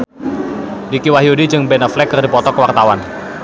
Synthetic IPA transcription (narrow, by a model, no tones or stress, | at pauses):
dikiwaɦjodid͡ʒɨŋbɛnəflɛkːərdipɔt̪ɔkəwart̪awan